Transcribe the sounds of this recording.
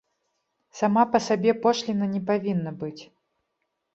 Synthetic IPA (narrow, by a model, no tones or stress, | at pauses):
samapɐsabʲɛpɔʂlʲinɐnʲɛpavʲinːɐbɨt͡sʲ